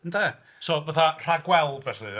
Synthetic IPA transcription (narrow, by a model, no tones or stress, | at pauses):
ntɛ | sovaθar̥aɡwɛlˠɛsɨ